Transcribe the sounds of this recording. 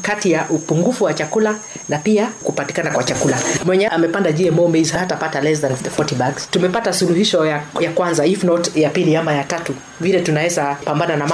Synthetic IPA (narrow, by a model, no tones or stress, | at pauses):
katijaʔupuŋɡufuwat͡ʃakula | napiakupati̥kanakwat͡ʃakulamwɛɲɛʔamɛpandaʄiɛmɔmezhahatapatalɛs̬ðanfɔtibaɡstumɛpatasuluhiʃɔjajakwanzaifnɔtjapiliamajatatu | vilɛtunawɛzapambananam